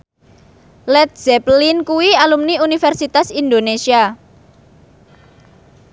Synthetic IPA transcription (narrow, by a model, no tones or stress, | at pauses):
lɛt̪̚z̥ɛplinkuwialumniunifɛrsit̪asind̪onesia